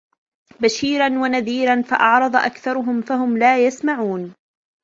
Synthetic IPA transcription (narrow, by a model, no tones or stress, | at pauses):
baʃiːɾanwanaðiːɾanfaʔɑʕɾˤɑd̪ˤɑʔa̰kθɑɾˤʊɦʊmfaɦʊmlaːjasmaʕuːn